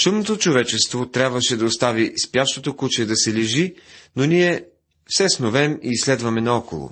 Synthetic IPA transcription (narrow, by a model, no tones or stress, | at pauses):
t͡ʃomnot̪ot͡ʃovɛt͡ʃɛst̪vot̪ɾʲjabvəʃɛd̪ɐost̪avispjaʃt̪ot̪okut͡ʃɛd̪ɐsɛliʒinoniɛ | fsɛsnovɛmiːslɛd̪vɐmɛnɐɔko̰lˠo̰